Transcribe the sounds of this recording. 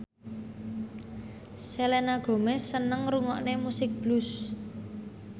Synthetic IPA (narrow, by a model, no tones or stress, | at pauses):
selenaɡ̥o̤mɛsənəŋruŋɔʔnemusɪk̚b̥lus